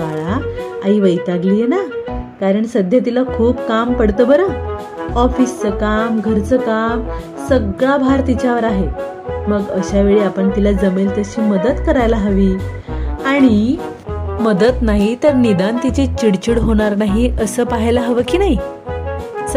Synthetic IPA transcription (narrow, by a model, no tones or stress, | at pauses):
maɭaaiːʋəjt̪aɡlijenakaɾəɳsəd̪ʱjat̪̬ilakʰuːbkampəɽt̪əbəɾə | ɔfist͡səkamɡʱəɾt͡səkam | səɡɭabʱaɾt̪it͡ɕjaʋəɾaɦe | məɡəɕaʋeɭiːapəɳt̪ilad͡zəmelt̪əɕiːməd̪ət̪kəɾajlaɦəʋiː | aɽ̃i | məd̪ət̪naɦit̪əɾnid̪ant̪it͡set͡ɕiɽt͡ɕiɽɦoɽ̃aɾnaɦiʔəsəːpaɦjlaɦəʋəkiːnaɦi